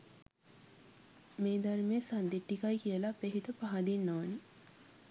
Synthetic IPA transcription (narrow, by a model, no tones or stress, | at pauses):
meːd̪aɾmeːsand̪iʈːikajkijəlapeɦit̪əpaɦad̪inːoʋni